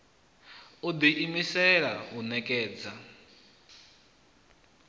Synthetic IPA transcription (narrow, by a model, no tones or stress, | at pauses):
ud̪iʔimisɛɺaɦunɛkʼɛːd͡za